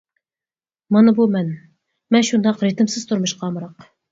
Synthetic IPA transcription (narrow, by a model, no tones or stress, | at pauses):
mɑnɑbumɛn | mɛnʃund̪ɑqɾet̪ɪmsɪzt̪ʰʊɾmɨʃqʰɑmɾɑq